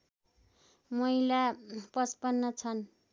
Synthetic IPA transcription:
mʌjlapʌspʌnːʌt͡sʰʌn

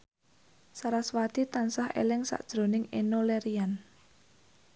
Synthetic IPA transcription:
saɾaswat̪it̪ansahḛlɪŋsa̰ʔd̥ʒ̥ɾo̤nɪŋenoleɾian

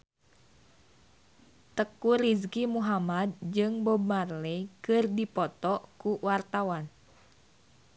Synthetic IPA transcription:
t̪əkuɾiskimuɦamad̪̚d͡ʒɨŋbɔbarlɛkɨrdipɔt̪ɔʔkuwart̪awan

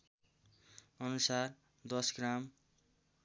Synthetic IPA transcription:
ʌnusar | d̪ʌsɡram

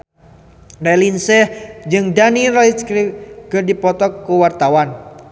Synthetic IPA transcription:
rɛlinsɛhd͡ʒɨŋdaniraiskɾiɡ̥ərdipɔt̪ɔkːuwart̪awan

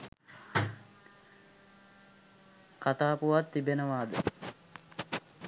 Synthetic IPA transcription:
kat̪aːpuʋat̪ːibenəʋaːd̪ə

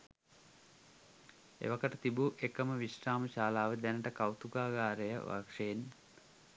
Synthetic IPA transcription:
ḛʋɐkəʈət̪ibuʔekəməʋiʂʈaːməʃaːlaːʋəd̪ænəʈəkawt̪uɡaːɡaːɾəjə̰ʋa̰kʂejen

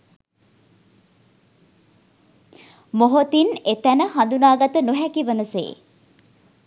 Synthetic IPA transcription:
moɦot̪inet̪ænəɦand̪unaːɡat̪ənuɦækiʋənəsḛː

